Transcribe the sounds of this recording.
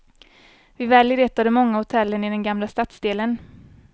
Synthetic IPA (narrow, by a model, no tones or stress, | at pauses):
vɪvɛːljɪɾeːt̪ad̪əmɔŋːahʊt̪ʰɛlːənɪd̪ɛnɡamlast̪at̪sd̪eːlən